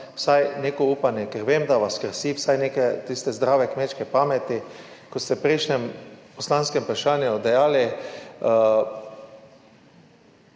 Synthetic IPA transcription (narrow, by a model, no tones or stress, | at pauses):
wsajneːkɔuːpanjɛkɛɾʋeːmd̪aʋaskɾsiːwsajneːkɛt̪ist̪ɛzd̪ɾaːʋɛkmeːt͡ʃkɛpaːmɛt̪i | kɔst̪ɛpɾeʃnɛmpɔslanskɛmpɾaʃaːnjud̪ajaːli